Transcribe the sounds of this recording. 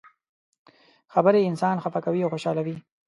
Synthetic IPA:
xabəɾeɪnsɑːnxafakawiawxoʃɑlawi

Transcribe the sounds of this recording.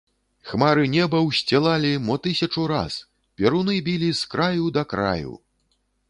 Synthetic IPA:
xmaɾɨnʲɛbɐwsʲt͡sʲɛlˠalʲimɔt̪ɨsʲɐt͡ʂuɾa̰s | pʲɛɾunɨbʲilʲiskɾajud̪ɐkɾa̰jṵ

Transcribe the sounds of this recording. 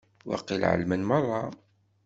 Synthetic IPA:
wɑ̰qːilʕə̰lmənmɑrˤːɑ

